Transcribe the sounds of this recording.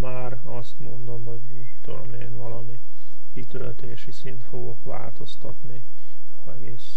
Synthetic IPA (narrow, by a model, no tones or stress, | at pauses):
maːr | ɒst̪mo̞nd̪o̞mɦo̞ɟmit̪ːod̪o̞̰meːnvɒlɒmi | kit̪ølt̪eːʃisint̪fo̞ɡo̞kʋa̰ːlt̪o̞st̪ɒt̪ni | ɛɡeːs